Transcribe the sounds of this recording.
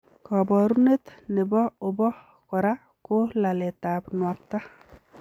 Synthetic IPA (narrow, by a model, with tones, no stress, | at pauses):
kɔ˨bɔɾune˦t̪nɪ˨bɔ˦ʊ˨bɔ˦ | kɔ˨ɾa | ko˦la˨le˨t̪a˨pnwa˨t̪ːa˦